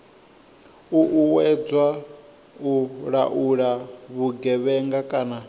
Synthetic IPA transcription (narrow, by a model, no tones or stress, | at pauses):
uʔuwɛd͡zwa | uɺa̰ʔuɺaβuɡɛβɛŋɡakʼaːna